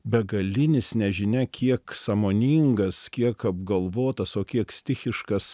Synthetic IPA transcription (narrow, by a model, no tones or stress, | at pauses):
bʲɛɡɐlʲɪnʲɪsnʲɛʒʲɪnʲɛkʲiɛksɐmoːnʲiːŋɡɐskʲiɛkɐbɡɐlˠʋoːt̪ɐsoːkʲiɛksʲt̪ʲɪxʲɪʃkɐs